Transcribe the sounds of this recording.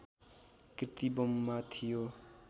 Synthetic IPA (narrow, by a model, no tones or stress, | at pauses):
kɾit̪ibomːat̪ʰijo